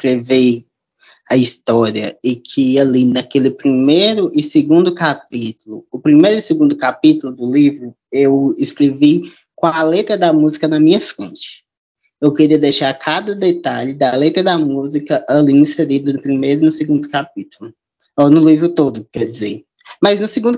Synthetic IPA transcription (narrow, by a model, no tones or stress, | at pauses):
skɾevej | ɐist̪ɔɾiɐɪkʰɪɐlinɐkelɪpɾimejɾʊʔɪseɡũnd̪ʊkap̚it̪ulʊʊpɾimejɾʊɪseɡũnd̪ʊkapit̪ulʊd̪ʊlivɾʊ | ewɪskɾevi | kõɐlet̪ɾɐd̪ɐmuzikɐnɐmĩɲɐfɾẽt͡ʃɪ̥ | ewkeɾiɐd̪ejʃaɾkʰad̪ɐd̪et̪aʎɪd̪ɐlet̪ɾɐd̪ɐmuzikɐʔɐlĩĩseɾidɐnʊpɾimejɾʊɪnʊseɡũnd̪ʊkap̚it̪ulʊ | ɔnʊlivɾʊt̪od̪ʊkɛɾd͡ʒizeɾ | mɐznʊseɡũd̪